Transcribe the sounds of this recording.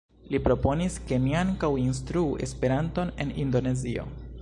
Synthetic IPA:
lipɾo̞po̞niske̞niaŋkawins̬tɾuːʔe̞̰spe̞ɾanto̞ne̞̰nindo̞ne̞zio̞̰

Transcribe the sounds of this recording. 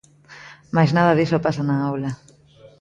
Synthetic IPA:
majznað̞ɐðisopasanaawla

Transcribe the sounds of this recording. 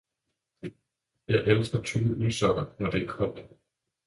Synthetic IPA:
jɑ̈ɪʔelsɡ̥ɐt͡sʰyb̥əylsɒɐnɒd̥e̝æɡkʰɒ̽l̰d̥

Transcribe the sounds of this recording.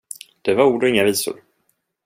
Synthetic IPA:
d̪̥ɛvaɾuːɖɔɪŋːaviːsʊ̰ɾ

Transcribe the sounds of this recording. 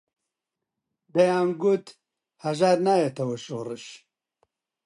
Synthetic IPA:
d̪ɐjaːmɡut̪ | hɐʒaːɾnaːjet̪ʰɐwɐʃoːrɨʃ

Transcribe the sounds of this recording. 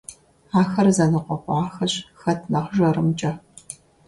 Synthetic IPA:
aːxɐrzɐnɨqʷɔqʷʊʕaːxɐɕxɐtʰnɐχʒɐɾɨmt͡ʃʼɐ

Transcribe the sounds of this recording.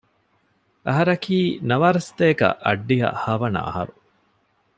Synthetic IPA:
ʔɐɦɐɾɐkʰiːnɐʋaːɾɐst̪eːkɐ̰ʔɐɖːijɐ̰hɐːʋɐnɐ̰ɐ̰hɐ̰ɾu

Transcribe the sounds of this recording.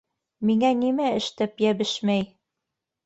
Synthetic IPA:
miŋænimæɘ̆ʃt̪æpjæbɘʃmæj

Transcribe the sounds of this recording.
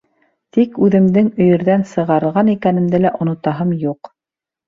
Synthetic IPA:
t̪ikʉðɘ̆md̪ɘŋɵ̆jɘ̆ɾðænsɤ̆ʁɑɾɤ̆ʁɑnikænɘ̆md̪ælæʔŏnŏt̪ɑɦɤmjuq

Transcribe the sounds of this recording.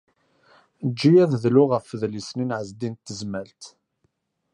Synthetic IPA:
d͡ʒːijæððlʊʁəfðlisninʕəzd̪int̪ːəzməlt̪

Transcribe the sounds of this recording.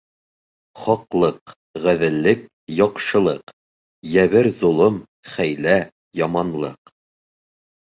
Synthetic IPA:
χɒqlˠɤq | ʁæðɘ̆lːɘk̚ | jɒqʃɤ̆lˠɤq | jæβɘɾzŏlˠɤm | χæjlæ | jɒmɑnlˠɤq

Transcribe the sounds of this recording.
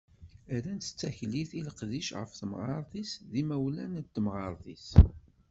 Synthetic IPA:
æɾænt̪ə̥t͡sːæçliθiləqðiʃʁə̰fθəmʁɑɾˤθisðimæwlænt̪ːəmʁɑɾˤθis

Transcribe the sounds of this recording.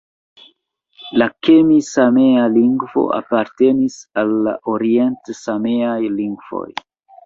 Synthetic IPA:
lakemisame̞aliŋɡvo̞̰a̰paɾte̞nisalːa̰ʔoɾie̞ntsameajliŋɡvo̞̰j

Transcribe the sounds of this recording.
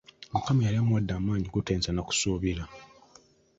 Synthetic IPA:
mukamijaliamuwadːaːmaːɲiɡuteːnzanaku̥suːβiɾa

